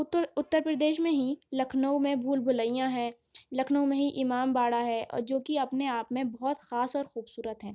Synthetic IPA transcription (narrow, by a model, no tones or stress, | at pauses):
ʊt̪ːəɾpɾəd̪eːʃmẽɦilɐkʰnəumẽbʱuːlbʱʊlaijãɦɛ̃ː | lɐkʰnəumẽɦiʔɪmaːmbaːɽaɦɛɔ̰ːɾd͡ʒoːkiɐpneaːpmẽbɔːt̪xaːsɔːɾxuːbsuːɾət̪ɦɛ̃ː